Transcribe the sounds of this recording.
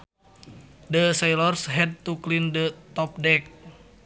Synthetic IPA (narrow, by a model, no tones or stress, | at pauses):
dəsɛjlɔrsɦɛd̚t̪uklindət̪ɔp̚dɛk̚